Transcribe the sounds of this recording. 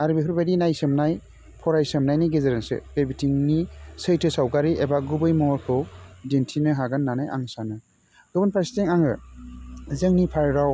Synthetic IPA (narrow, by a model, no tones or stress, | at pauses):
aɾbipʰɯɾbadinajsɯmnaj | pʰɔɾajsɯmnajniɡezeɾensɯ̰bebitʰiŋnisɯjtʰɯsawɡaɾiʔebaɡubɯjmɔɔɾkʰɯwdentʰinɯɦaɡanːanajʔa̰ŋsanɯ | ɡɯbɯnpʰasi̥teŋaŋɯ | zɯŋnipʰaɾɾaw